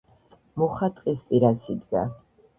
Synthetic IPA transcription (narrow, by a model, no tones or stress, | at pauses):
mɔχat̪ʼqʼispʼiɾasid̪ɡa̰